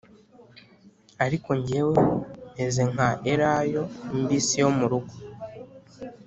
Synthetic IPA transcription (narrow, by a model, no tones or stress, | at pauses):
aɾiko̞ɲɟeweeze̞ŋ̥aʔeɾajo̞imbiːsijo̞muɾuɡo